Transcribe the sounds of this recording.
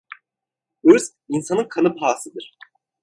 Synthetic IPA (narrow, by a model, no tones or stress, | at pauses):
øz | insanɯnkʰanɯpʰaːsɯd̪ɯɾ̥